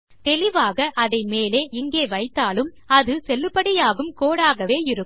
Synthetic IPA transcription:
t̪ɛlɪʋaːɣɐʔɐðɐɪmeːleːʔɪŋɡeːʋɐɪt̪ːaːlɯm | ɐðɯsɛlːɯpːɐɽɪjaːɣɯmkoːɽaːɣɐʋeːɪɾɯ

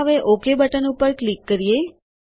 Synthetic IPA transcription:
əʋeʔokebəʈənupəɾklikːəɾije

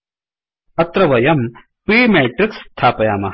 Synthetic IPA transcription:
ɐt̪ɾɐʋɐjɐm | piːmeːʈɾikst̪ʰːaːpɐjaːmɐ

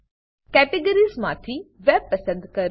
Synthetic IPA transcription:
kɛːʈeɡəɾizmaːt̪ʰiʋɛb̚pɐsə̃nd̪kɐɾ

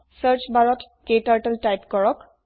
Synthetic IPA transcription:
səɹt͡ʃbaɹɔt | kejtaɹʈəltajpkɔɹɔk

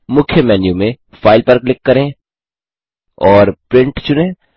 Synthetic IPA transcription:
mʊkʰjəmɛːnjumẽ | faːɪlpɐɾklɪkːɐɾẽ | ɔːɾpɾɪ̃ɳʈt͡ʃʊnẽː

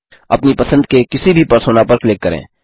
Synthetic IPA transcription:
ɐ̰pnipɐsə̃nd̪̚kekɪsibʱipɐɾsoːnapɐɾklɪkːəɾḛ̃ː

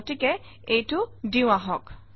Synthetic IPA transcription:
tikɛ | ejtʊdiʊ̃aɦɔk

